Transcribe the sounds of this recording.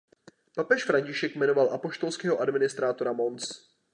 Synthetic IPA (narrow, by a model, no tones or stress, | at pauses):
papɛʃfɾaɲcɪʃɛkmɛno̞valʔapo̞ʃt̪o̞lskɛːɦoʔadmɪnɪst̪ɾaːt̪o̞ɾamo̞nt͡s